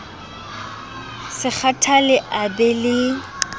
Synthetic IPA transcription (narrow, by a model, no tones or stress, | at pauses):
sɪk͡xʰatʰalɪʔabɛlɪ